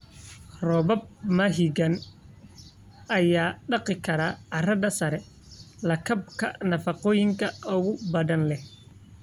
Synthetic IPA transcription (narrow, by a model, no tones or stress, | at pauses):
rɔbɐb̚mɐɦiɡɐn | ɐjaːɖɑqɪkʰɐɾaːɐrɐdɐsɐɾɛ | lɐkʰɐb̚kʰɐ̰nɐfɑqɔːjɪŋkʰɐʔɔɣʊbɐðɐnlɛh